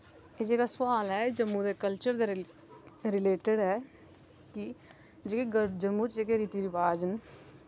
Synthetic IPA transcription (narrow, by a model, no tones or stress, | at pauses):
eːd͡ʒeːkasʊaːlɦɛːd͡ʒəmːuːd̪eːkəlt͡ʃəɾd̪e | ɾɪleːʈəɽɦɛː | ki | d͡ʒeːkeɡəd͡ʒəmːut͡ʃd͡ʒeːkeɾiːt̪iːɾɪʋaːd͡ʒən